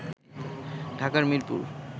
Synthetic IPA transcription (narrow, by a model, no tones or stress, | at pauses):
ɖʱakaɾmiɾpṵɾ